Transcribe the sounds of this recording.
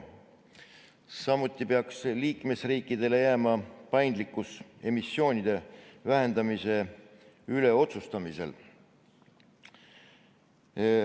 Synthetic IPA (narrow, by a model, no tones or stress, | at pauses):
sɑmut̪ːˑipeɑksliːkme̞sriːkːˑid̪̥e̞le̞jæmɑpɑjnd̪likːˑuse̞misːjo̞ːnʲid̪̥e̞væɦe̞nd̪̥ɑmise̞ | yle̞o̞t̪sust̪ɑmise̞̰l